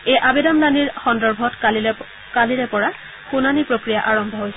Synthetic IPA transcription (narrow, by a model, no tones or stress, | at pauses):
ejʔabedamlaniɹxɔndɔɹbʱɔt | kaliɹɛpɔɹa | xunanipɹokɹijaʔaɹɔmbʱɔɦojsɛ